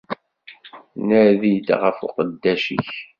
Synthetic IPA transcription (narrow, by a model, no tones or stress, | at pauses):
nəɾðid̪ʁəfṵqəd̪ːæʃḭç